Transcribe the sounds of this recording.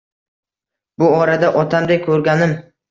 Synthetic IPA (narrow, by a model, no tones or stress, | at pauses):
bʊɒɾad̪aʔɒt̪ʰamd̪ajkʰɵɾɡʲanɪm